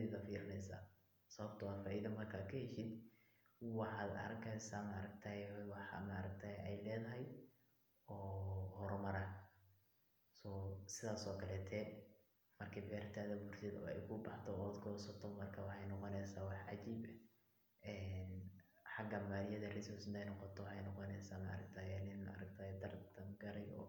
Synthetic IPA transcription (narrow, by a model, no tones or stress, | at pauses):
ilɐfiːɾɪnɛjsa̰ː | sɐβɐbt̪ʰɐwaːd̪faːʔiðɐmɐrkʰaːkʰɐhɛʃɪd̪ | wɑħɑːd̪ɐ̰ɾɐkʰɛjsaːmaːɾɐk̚t̪ʰɐwɑħɑ̰ma̰ːɾɐk̚t̪ʰaːʔɛjlɛːðɐɦɛj | ɔːhɔɾɔmɐɾɐ | sɔːsɪðaːsɔːkʰɐlɛːt̪ʰɛː | mɐrkʰɐbɛːɾt̪ʰaːðɐbuːrt̪ɪd̪ɔ̰ːɛ̰jkʰʊbɑħt̪ʰɔɔːd̪ɡʰɔːsɐt̪ʰɔmɐrkʰɐwɑħɑjnɔqɔnɛjsaːwɑħʕɑt͡ʃiːbɛ | ʔɛːnħɑɡɐmaːlɪjɐðɐrɪsʊsnɛjnɔqɔt̪ʰɔwħɛjnɔqɔnɛjsaːmɐɐ̰ɾɐk̚t̪ʰaːjɛnɪnʔɾɐk̚t̪ʰaːhɛd̪ɐrt̪ʰɐŋɡɐɾɛjɔ̰ː